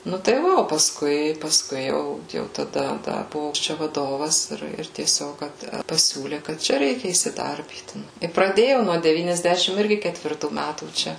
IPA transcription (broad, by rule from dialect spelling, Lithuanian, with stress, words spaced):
ˈnʊ tɐɪ ˈʋɐ oː pɐsˈkʊɪ pɐsˈkʊɪ ˈjɛʊ ˈjɛʊ tɐˈdɐ ˈdɐ ˈbʊʋoː ˈt͡ʃʲɛ ʋɐˈdoːʋɐs ˈɪr ˈɪr tʲiɛˈsʲoːk ˈkɐt pɐˈsʲuːlʲeː kɐt ˈt͡ʃʲɛ ˈrʲɛɪkʲɛ iːsʲɪˈdɐrʲbʲiːt ɪ prɐˈdʲeːjɛʊ nuɔ dʲɛʋʲiːnʲɛzʲˈdʲæːʃʲɪm ˈɪrʲɡʲɪ kʲɛtʲʋʲɪrˈtuː ˈmʲætuː ˈt͡ʃʲɛ